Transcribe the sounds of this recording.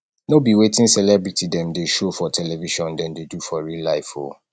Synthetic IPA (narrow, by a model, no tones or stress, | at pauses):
nobiwetĩnsɛlɛbɹitʰidɛ̃mdeʃofɔtʰɛlɛviʃɔ̃ndɛ̃ndedufɔɹilaɪfo̰